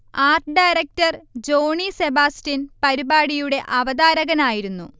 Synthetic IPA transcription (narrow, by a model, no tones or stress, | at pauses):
aːrʈɨɖajɾɐk̚tɐrd͡ʑo̞ːɳisebaːstinpɐɾibaːɽijuɽe̞ʔɐʋɐd̪aːɾɐɣɐnaːjiɾunːu